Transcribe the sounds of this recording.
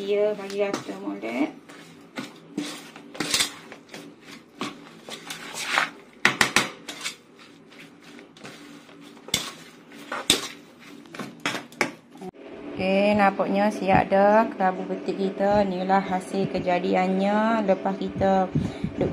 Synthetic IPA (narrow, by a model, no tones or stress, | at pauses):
iəbaɡiat̪əmolɛʔ | kenapɔʔɲəsia̰ʔdəkɾabubət̪iʔkit̪ənilahasɪlkəd͡ʒadianɲələpaskit̪ədʊʔ